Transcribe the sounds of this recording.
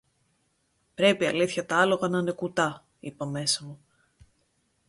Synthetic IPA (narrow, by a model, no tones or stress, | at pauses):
pɾe̞piɐliθçɐt̪ɐɐlo̞ɣɐnɐne̞kut̪ɐ | ipɐme̞sɐmu